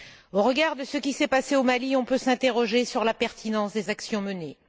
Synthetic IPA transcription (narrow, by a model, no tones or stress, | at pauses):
oʁəɡaʁd̪əsəkʲisɛpaseomaliɔ̃pøsɛ̃t̪eʁɔʒesyʁlapɛʁt̪ʰinɑ̃sd̪ezaksjɔ̃məne